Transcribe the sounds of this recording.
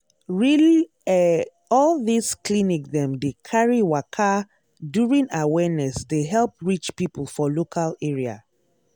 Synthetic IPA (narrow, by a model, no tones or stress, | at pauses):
ɹili | ɛ | ɔlˠðisklinik̚ðɛ̃mdekʰaɹiwakʰa | djuɹĩŋawɛnɛsdeɦɛlˠp̚ɹit͡ʃpipəl̩ˠfɔlokʰalɛɹia̰